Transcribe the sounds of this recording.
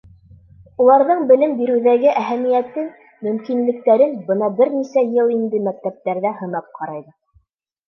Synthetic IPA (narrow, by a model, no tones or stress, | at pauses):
ulˠɑɾðɤɴbɘ̆lɘmbiɾɘ̆wðæɡɘʔæɦæmijæt̪ɘn | mɵ̆mkinlɘ̆k̚t̪æɾɘnbɤnɑbɘɾnisæjɤlˠind̪ɘmæk̚t̪æp̚t̪æɾðæhɤ̆nɑp̚qʰɑɾɑjðɤ